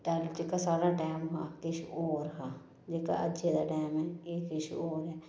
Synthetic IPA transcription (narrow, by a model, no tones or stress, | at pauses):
ʈɛld͡ʒeːkaːsaːɾaːʈɛːmɦaːkɪʃoːɾɦaː | d͡ʒeːka̰ːʔə̰ʃeːd̪aːʈɛːmɛːeːkɪʃoːɾɦɛː